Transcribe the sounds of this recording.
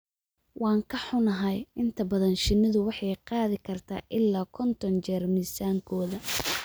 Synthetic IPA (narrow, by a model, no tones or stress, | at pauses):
wɑːŋkʰɐħʊnɐɦɐjɪnt̪ʰɐbɐðɐnʃɪnːɪðʊwɑħɑjqɑːðɪkʰɐrt̪ʰa̰ːʔɪlːaːkʰɔnt̪ʰɔnt͡ʃɛrmisaːŋkʰɔːðɐ